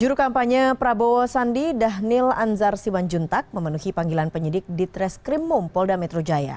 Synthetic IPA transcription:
d͡ʒuɾukampaɲəpɾaboɔsandidaɦnɪlanzarsimand͡ʒunt̪ak̚məmənuhipaŋɡilanpəɲədɪk̚dit̪ɾɛskɾimːumpɔldamɛt̪ɾod͡ʒaja̰

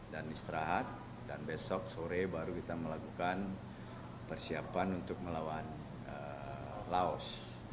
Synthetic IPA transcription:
danist̪ɾaɦat̪̚ | danbɛsɔk̚soɾebaɾukit̪aməlakukan | pərsiapanunt̪ʊk̚məlawan | ə | laɔs

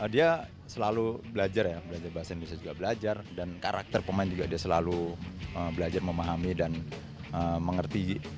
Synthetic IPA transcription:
ʔədia | səlalubəlad͡ʒarjabəlad͡ʒarbaɦasanbisad͡ʒuɡabəlad͡ʒardankaɾʔa̰k̚t̪ərpəmaɪnd͡ʒuɡadiasəlaluəbəlad͡ʒarməmaɦamidan | əməŋərt̪i

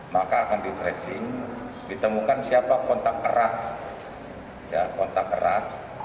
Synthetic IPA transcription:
makaːkandit̪ɾɛsɪŋ | dit̪əmukansiapakɔnt̪ak̚əɾah | jakɔnt̪ak̚ə̰rah

